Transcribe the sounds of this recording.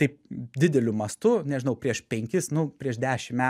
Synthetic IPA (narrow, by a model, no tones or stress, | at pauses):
t̪ɐɪpd̪ʲɪd̪ʲɛlʲʊmɐst̪ʊnʲɛʒʲɪnɐʊpʲɾʲiɛʃpʲɛŋʲkʲɪsnʊpʲɾʲiɛʃd̪ʲæːʃʲɪmmʲæː